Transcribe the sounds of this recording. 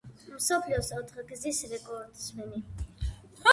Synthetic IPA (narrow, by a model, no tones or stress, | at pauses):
msɔpʰliɔsaɔt̪ʰχaɡzisɾɛkʼɔɾd̪smɛni